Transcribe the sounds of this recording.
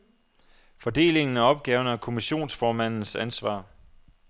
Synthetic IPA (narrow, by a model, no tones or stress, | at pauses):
fɒ̽d̥e̝̰ːle̝ŋn̩æɒ̽b̥̚ɡ̥ɛːʊnækʰo̝miɕo̝̰ːnsfɒːmæn̰n̩sænsʋɑ̰̈ː